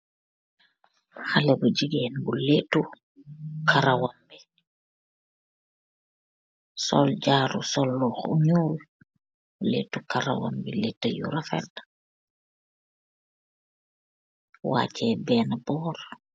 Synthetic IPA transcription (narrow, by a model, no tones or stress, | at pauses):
xalɐbuɟiɡɛːnbuleːtːu | kʰaɾawambi | sɔ̰lɟaːɾṵsɔlːɔːxṵɲuːl | buleːtːukaɾa̰wa̰mbiletːəjṵɾafɛ̰t | wa̰ːcɛbɛːnabɔːr